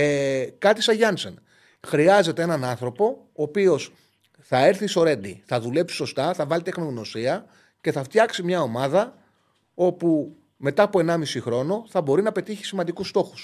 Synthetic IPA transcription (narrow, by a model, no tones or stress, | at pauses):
kɐt̪isɐʝɐnsen | xɾiɐze̞t̪eenɐnɐnθɾo̞po̞ː | pio̞s | θɐe̞ɾθiso̞ɾe̞nd̪ḭθɐðule̞psi̥so̞st̪ɐθɐvɐlit̪exnoɣno̞siɐ | ce̞θɐft̪çɐksimɲɐo̞mɐðɐ | o̞pu | me̞t̪ɐːpoe̞nɐmisixɾo̞no̞θɐbo̞ɾinɐpe̞t̪içi̥simɐnd̪ikust̪o̞xu̥s